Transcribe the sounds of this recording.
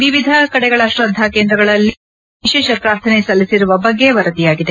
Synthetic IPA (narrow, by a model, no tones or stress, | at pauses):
ʋiʋid̪ʱɐkɐɽɛɡɐɭɐʃɾɐd̪ʱakeːnd̪ɾɐɡɐɭɐlːi | iʃɛːʃɐpɾaːɾt̪ʰɐnesɐlːisiɾuʋɐbɐɡːe̞ʋɐɾɐd̪ijaːɡid̪e